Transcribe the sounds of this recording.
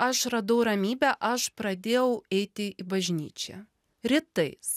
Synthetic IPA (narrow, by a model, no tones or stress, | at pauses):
ɐʃɾɐd̪ɐʊɾɐmʲiːbʲæʔɐʃpɾɐd̪ʲeːjɛʊɛɪt̪ʲɪɪbɐʒʲnʲḭːt͡ʃʲɛ̰ | ɾʲɪt̪ɐɪs